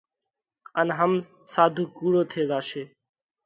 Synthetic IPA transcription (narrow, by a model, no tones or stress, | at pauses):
ənɦəm | saːd̪ʱũːkuːɽoːt̪ʰeːzaːʃeː